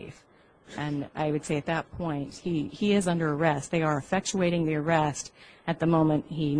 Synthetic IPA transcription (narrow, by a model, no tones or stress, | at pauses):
f | ʔɨ̃na̰ɪwɨd̥seɪɨt̪̚ðɨt̚pʰɔ̃ɪ̃nt̚hiiɪzʌ̃ndə˞ə˞ɛst̚ðeɪə˞ɨfɛk̚t͡ʃueɪɾɪ̃ŋðiə˞ɛstɨt̪̚ðɨmõʊ̃mɨ̃nthi